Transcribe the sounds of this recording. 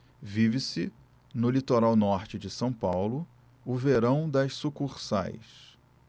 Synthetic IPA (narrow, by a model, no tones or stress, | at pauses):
vivɪsɪ | nʊlit̪oɾawnɔɾt͡ʃɪd͡ʒɪsɐ̃w̃pawlʊ | ʊveɾɐ̃w̃d̪ɐʃsukuɾsa̰js